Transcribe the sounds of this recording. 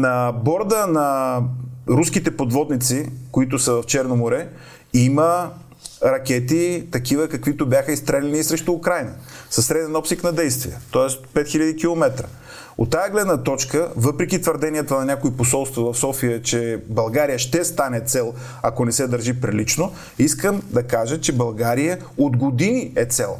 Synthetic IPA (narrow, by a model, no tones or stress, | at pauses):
nɐbɔɾd̪ənɐ | ɾuskit̪ɛpod̪vɔd̪nit̪sikoit̪ʊsəvɐft͡ʃɛɾnomoɾɛ | imə | ɾɐkʲɛt̪it̪ɐkivəkɐkvit̪obʲjaxəist̪ɾɛlʲɛniːsɾɛʃt̪ʊːkɾajnəsɐsːɾɛd̪ɛnɔpsiknɐd̪ɛjst̪vḭjət̪ɔɛspɛt̪xiʎʲɐd̪ikʲilˠomɛt̪ɾə̰ | o̰t̪ːajəɡlɛd̪nət̪ɔt͡ʃkəvɤpɾɛkʲit̪vəɾd̪ɛniɛt̪ənɐnʲakoiposɔlˠst̪vɐvɐfsɔfijət͡ʃɛbɐlˠɡaɾijəʃt̪ɛst̪anɛt̪sɛlˠ | ɐkonɛsɛd̪əɾʒipɾilit͡ʃno | iskəmd̪ɐkaʒət͡ʃɛbɐlˠɡaɾijə | od̪ɡod̪iniɛt̪sɛlˠ